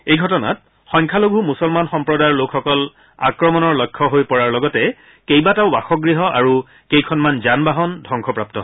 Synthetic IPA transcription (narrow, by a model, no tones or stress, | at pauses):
ejɡʱɔtɔna̰t̚ | xɔŋkʰaloɡʱumusɔlmanxɔmpɹɔdaɹlokʰxɔkɔl | a̰kɹɔmɔnɔɹlɔjkʰːɔɦojpɔɹaɹlɔɡɔtɛ | kejbataʊbaxɔɡɹiɦɔʔa̰ɹu | kejkʰɔnmanzanbaɦɔndʱɔŋkʰɔpɹap̚tɔ